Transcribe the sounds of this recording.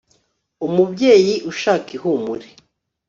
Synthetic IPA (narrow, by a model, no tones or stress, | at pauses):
umubɟe̞ːjiʔuʃaːkihumuɾe̥